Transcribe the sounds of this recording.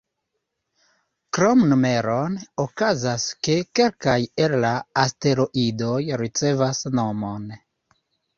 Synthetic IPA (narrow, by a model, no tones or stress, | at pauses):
kɾomnume̞ɾonokazaske̞ke̞lkajellaːste̞ɾoʔidojɾit͡se̞vasno̞mo̞n